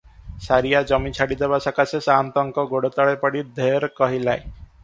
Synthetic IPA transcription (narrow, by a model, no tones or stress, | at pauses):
saɾijad͡ʒɔmit͡ʃʰaɽid̪ebasakasesant̪ɔŋkɔɡoɽot̪ɔɭepɔɽid̪ʱeɾkɔɦilae